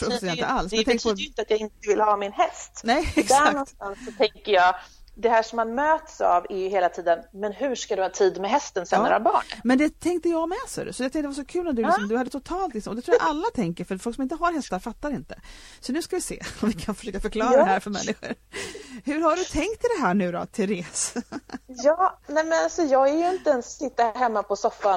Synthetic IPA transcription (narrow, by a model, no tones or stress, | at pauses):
fɾɔsɛnə̰ʔalsmɛjt̪ʰɛŋkəəpʰt̪at̪jɑɡɪnt̪əvɪlhɑːmɪnɦɛst̪nɛjɛk̪ɛɾananst̪ansːɔt̪ʰɛŋkəjɑːd̪ɛɦæːʂɔmːanmøːt̪sa̰vɛɾjʏheːlat̪ʰiːd̪ənmɛnɦɵʂkad̪ɵhɑːt̪ʰiːd̪mɛɦɛst̪ənsɛ̰ːɾabɑ̰ːɳmɛnd̪ɛt̪ʰɛŋkt̪əjɑːɡmɛsœ̰ɾ̰sɔjɛat̪ɛ̃ŋt̪ɛvaʂɔkʰʉ̟ːlat̪̚d̪ɵlɪsɔmd̪ɵhad̪ːət̪ʰʊt̪ʰɑːlt̪lɪksɔmɔd̪ɛt̪ɾuːjaʔalːat̪ʰɛŋkəɾfœɾfɔlksɔmɪnt̪əɦaɾɦɛst̪aɾfat̪ːaɾɪnt̪ə̰ | sɔnʉ̟ːskavɪsḛːɔmvɪkʰanfœ̥ʂøːkafœɾkʰlɑːɾadɛhæːɾfœɾmɛ̰nːɪɧʊ̰ɾhɵɾhaɖɵt̪ʰɛŋkt̪ʰɪld̪ɛɦæːɳʉ̟ːd̪ɔ̰t̪ʰɪɾeːs | jɑːnɛmɛnalsɔjɑːɡæɾjɵɪnt̪əɛnsːɪt̪ːaɦɛmːapʰɔsɔfːa